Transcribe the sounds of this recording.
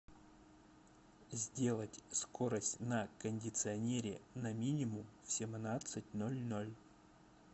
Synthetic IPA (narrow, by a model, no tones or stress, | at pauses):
zʲdʲe̞lˠətʲskoɾəsʲtʲnəkənʲdʲɪt̪sɨɐnʲeɾʲɪnɐmʲinʲɪmʊmfsʲɪmnat̪sɨtʲnolʲnolʲ